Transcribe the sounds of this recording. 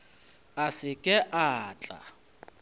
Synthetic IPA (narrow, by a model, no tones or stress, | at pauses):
asɪkʼɛʔaːt͡ɬʼa̰